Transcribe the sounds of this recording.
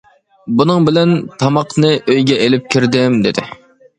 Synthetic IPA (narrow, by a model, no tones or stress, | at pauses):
bunɨŋbɪlɛnt̪ʰɑmɑqnɨʔøjɡʲɛʔelɪp̚kʲʰiɾd̪ɪmd̪ɪd̪ɪ